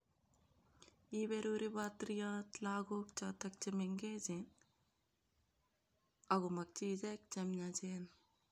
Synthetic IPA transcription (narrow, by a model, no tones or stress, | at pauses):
ibeɾuɾibaːt̪ɾijaːt̪laːɡoːkt͡ʃaːt̪ɐk̚t͡ʃimeŋɡeːd͡ʒin | ɐɡumɐk̚t͡ʃid͡ʒɐk̚t͡ʃɐmɲad͡ʒeːn